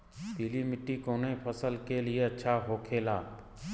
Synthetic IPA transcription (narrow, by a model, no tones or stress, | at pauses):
t̪iːlimɪʈːikoːnepʰəsəlkelieɐtːʃʰaɦoːkʰeːlaːb